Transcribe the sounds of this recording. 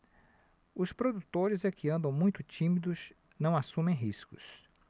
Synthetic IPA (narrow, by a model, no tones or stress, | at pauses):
ʊspɾod̪ut̪oɾɪzɛkʰɪɐ̃nd̪ɐ̃w̃mũj̃t̪ʊt͡ʃĩmid̪ʊz | nɐ̃w̃asũmẽj̃ɦiskʊ̰s